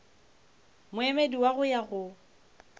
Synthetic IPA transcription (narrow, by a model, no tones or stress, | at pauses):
mʊemediwaɣʊjaɣʊ